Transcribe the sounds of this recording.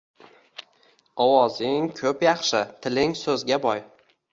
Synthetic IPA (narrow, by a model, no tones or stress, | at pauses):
ɒwɒzɪŋkʲʰɵpjɑχʃɪt̪ʰɪlɪŋsɵzɡʲabɒj